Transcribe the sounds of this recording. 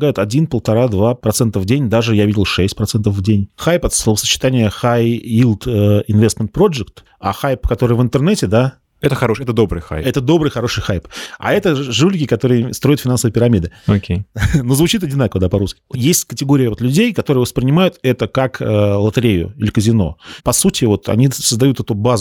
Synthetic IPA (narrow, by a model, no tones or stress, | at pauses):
ɡajʊt̪ɐdʲinpəlˠt̪ɐɾad̪vapɾɐt̪sɛnt̪əvdʲenʲd̪aʐɨjavʲidʲɪlˠʂɛsʲtʲpɾɐt̪sɛnt̪əfvdʲenʲxajpɐt̪slovəsə̥t͡ɕɪ̥t̪anʲɪjəxajilˠt̪əɪnvʲest̪mʲɪnt̪̚pɾo̞ʐɨkt̪ | a̰xajpkɐt̪o̞ɾɨjvɨnt̪ɨrnɛtʲɪd̪a | ɛt̪əxɐoʂɛt̪əd̪o̞bɾɨjxa̰jɛt̪əd̪o̞bɾɨjxɐɾo̞ʂɨjxajpa̰ɛt̪əʐulʲɪkʲɪkɐt̪o̞ɾɨjəst̪ɾo̞jɪt̪fʲɪnansəvəjpʲɪɾɐmʲid̪ɨokʲejnozvʊt͡ɕit̪ɐdʲɪnakəvəd̪apɐɾuskʲɪ̥jesʲtʲkətʲɪɡo̞ɾʲɪjəvo̞t̪lʲʉdʲejkɐt̪o̞ɾɨəvəspɾʲɪnʲɪmajʊt̪ɛt̪əkakəlˠət̪ɨɾʲejʊ̰ɪlʲɪkəzʲɪno̞̰pɐsutʲɪvo̞t̪ɐ̰nʲisəzd̪ɐjut̪ɛt̪ubaz